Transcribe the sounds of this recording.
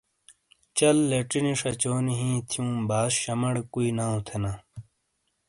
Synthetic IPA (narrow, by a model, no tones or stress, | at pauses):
t͡ɕɐlːeʈiniʂɐt͡ɕoːniɦĩːt̪ʰijũːbaːsɕɐmɐɽkuinaːũt̪ʰenaː